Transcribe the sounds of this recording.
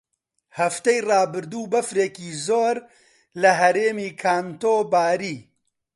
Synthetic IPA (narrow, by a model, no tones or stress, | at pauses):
hɐft̪ɛjrɑːbɨɾd̪uːbɐfɾeːkiːzoːɾ | lɐɦɐɾeːmiːkʰaːnt̪oːbaːɾiː